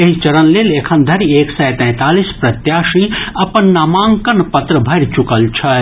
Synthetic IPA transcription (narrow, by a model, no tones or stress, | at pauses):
eɦit͡ʃəɾənlelekʰənd̪ʱəɾieksɛjt̪ɛ̃t̪aːlispɾɐt̪jaʃiɐpənːamãːŋkənpət̪ɾəbʱəɾt͡ʃukəlt͡ʃʰɐ